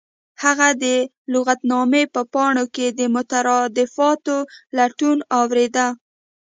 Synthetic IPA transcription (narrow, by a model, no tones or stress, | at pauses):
haɣad̪ə | lʊɣat̪nɑmepəpɑɳoked̪əmʊt̪aɾɑd̪ɪfɑt̪olaʈunɑwɾed̪a